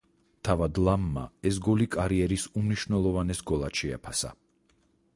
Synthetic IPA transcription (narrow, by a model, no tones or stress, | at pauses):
t̪ʰavad̪lˠamːa̰ɛs̬ɡɔlikʼaɾiɛɾisumniʃvnɛlˠɔvanɛsɡɔlˠaʃɛa̰pʰasa̰